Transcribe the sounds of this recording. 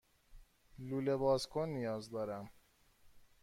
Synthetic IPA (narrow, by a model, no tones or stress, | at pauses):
luːlebɒːzkʰonːijɒːzd̪ɒːɾæm